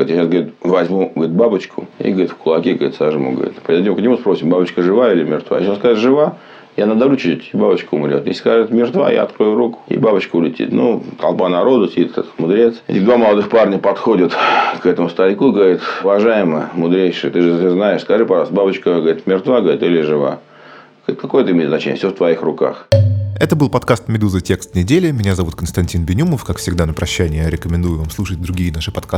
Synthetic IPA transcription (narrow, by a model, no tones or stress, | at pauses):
ɾʲit̪jaɕasɡəvɐɾʲut̪vɐzʲmuɡəɾʲit̪̚babət͡ɕkʊḭɡəɾʲit̪fkʊlˠɐkʲeɡəɾʲḭt̪saʐɨmṵɡə̰ɐ̰ɾʲḭt̪pɾʲd̪nʲimʊknʲɪmuspɾo̞sʲɪmbabət͡ɕkəʐɨvailʲɪmʲɪrt̪va̰jɕaskaɨt̪ʐɨva | janəd̪ɐɾut͡ɕit̪ʲibabət͡ɕkʊʊmɾʲot̪jḛsʲskaʐɨt̪mʲɪrt̪va̰ja̰ɐt̪̚kɾo̞jʊɾukʊ̥ḭbabət͡ɕkʊʊlʲɪtʲḭt̪nut̪ɐlˠpanɐɾo̞d̪ʊsʲɪdʲit̪t̪ɛt̪mʊd̪ɾʲet̪sḛtʲɪd̪vaməlˠɐd̪ɨxparnʲəpɐt̪xodʲət̪kɛt̪əmʊst̪ɐlʲkuɡəɾʲit̪ʊvɐʐajɪməəmʊd̪ɾʲejʂɨjət̪ɨʐɨoznaɪʂskɐʐɨpɐʐɑlˠst̪babət͡ɕkəɡəɐɾit̪mʲɪrt̪vaɡəɾʲit̪ɪlʲɪʐɨva̰ | ɡɾʲit̪kako̞jət̪əɨɪmʲet̪znɐt͡ɕḛn̰ʲfsʲoft̪vɐixrʊka̰xɛt̪əbɨlˠpɐt̪kast̪mʲɪd̪uzətʲe̞kst̪nʲɪdʲelʲɪmʲɪnʲazɐvut̪kənst̪ɐnʲtʲinbʲɪnʲuməfkakfsʲɪɡd̪anəpɾɐɕːænʲɪjɾʲɪkəmʲɪnd̪ujʊvamslˠuʂət̚ʲd̪ɾʊɡʲijənaʂɨpɐt̪̚kas